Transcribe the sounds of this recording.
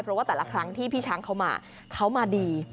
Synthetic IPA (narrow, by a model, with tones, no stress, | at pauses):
pʰɾɔ˦waː˥˩t̪ɛː˨˩la̰˧˩kʰɾa˦˥ŋt̪ʰiː˥˩pʰiː˥˩t͡ɕʰaː˦˥ŋkʰa˦˥wma̰ː˧ | kʰa˦˥wmaː˧diː˧